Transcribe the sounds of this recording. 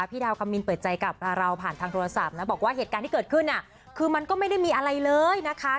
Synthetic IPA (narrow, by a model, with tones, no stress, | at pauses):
pʰiː˥˩aː˧wkʰa˧mːi˧npəɤː˨˩t̪̚t͡ɕa˧jka˨˩p̚ɾa˧wpʰaː˨˩nt̪ʰaː˧ŋt̪ʰoː˧ɾa˧sa˨˩p̚na˦˥bɔː˨˩k̚waː˥˩ɦe˨˩t̪̚kaː˧nt̪ʰiː˥˩ɤː˨˩t̪̚kʰɯ˥˩nːʔa˨˩ | kʰɯː˧ma˧nkɔː˥˩ma˥˩jda˥˩jmiː˧ʔa˧ɾa˧jlɤː˧jna˦˥kʰa˦˥